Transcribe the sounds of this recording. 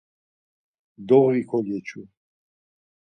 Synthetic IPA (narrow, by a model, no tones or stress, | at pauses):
d̪ɔʁikʰɔljɛt͡ʃʰu